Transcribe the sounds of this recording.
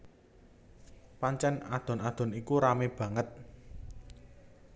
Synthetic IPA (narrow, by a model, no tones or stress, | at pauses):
paɲt͡ʃɛna̰d̪̥ɔ̤nad̪̥ɔ̤nikuɾameb̥ä̤ŋət̪̚